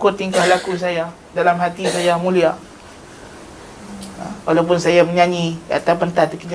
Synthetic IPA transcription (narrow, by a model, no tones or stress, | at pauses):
kʊt̪ːiŋkahlakus̬aja | dalamɦat̪isajamũlia | walawp̬ʊnsajaməɲaɲia̰t̪awpənt̪at̪kiɲ